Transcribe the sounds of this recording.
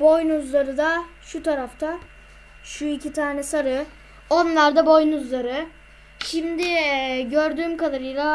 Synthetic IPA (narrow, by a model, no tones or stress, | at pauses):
bo̞jnuzlˠaɾɯd̪aʃut̪ʰaɾaft̪ʰa | ʃuicit̪ʰaːnɛsaɾɯ | o̞nlˠaɾd̪abo̞jnuzlˠaɾɯ | ʃimd̪ɪɟøɾd̪yːmkad̪aɾɯjlˠa